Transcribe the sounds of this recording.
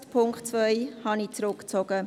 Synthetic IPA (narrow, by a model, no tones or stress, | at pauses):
tpʰʊŋktt͡svœjhɑnit͡sɾʊkt͡sɔɡ̥ə